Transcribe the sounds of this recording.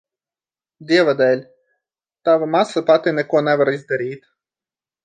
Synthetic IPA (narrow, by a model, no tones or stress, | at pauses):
d̪ʲiɛʋɐd̪ɛlʲ | t̪ɑʋɐmɑsˠɐpɑt̪ɪnɛkuɔnɛʋɐɾizd̪ɐɾʲiːt̪